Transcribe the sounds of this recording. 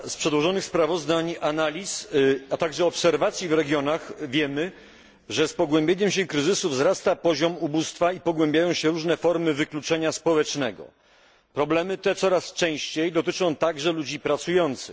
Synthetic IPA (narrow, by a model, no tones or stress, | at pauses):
spʂɛd̪wɔʐɔnɘxspɾavɔzd̪aɲanalʲisat̪aɡʐɛɔpsɛɾvat̪sʲjivɾɛɡjɔnaxvʲjɛmɘ | ʐɛspɔɡwɛ̃mbʲjeɲɛmɕɛkɾɘzɘsuvzɾast̪apɔʑɔmubust̪faipɔɡwɛ̃mbʲjajɔ̃w̃ɕɛɾuʐnɛfɔɾmɘvɘklut͡ʂɛɲaspɔwɛt͡ʂnɛɡɔ̰ | pɾɔblɛmɘt̪ɛt̪sɔɾast͡ʂɛ̃w̃ɕt͡ɕejd̪ɔt̪ɘt͡ʂɔ̃w̃t̪aɡʐɛlud͡ʑipɾat̪sujɔnt̪sɘ